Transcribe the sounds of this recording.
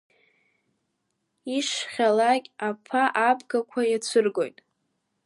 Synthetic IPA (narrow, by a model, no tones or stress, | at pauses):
iʂχʲalakʲʼapʰaʔapʰɡakʷʰajat͡sʷʰɨrɡo̞̰jtʼ